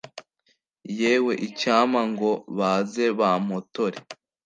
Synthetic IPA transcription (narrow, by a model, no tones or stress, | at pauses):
jeːwe̞ʔicaːmaŋɡo̞βaze̞βamotoɾe